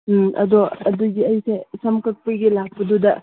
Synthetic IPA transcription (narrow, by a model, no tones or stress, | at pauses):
ʔɐ̰dɔɐduɡiɐjsejsɐmkɐk̚pɯɡilak̚pɐdudɐ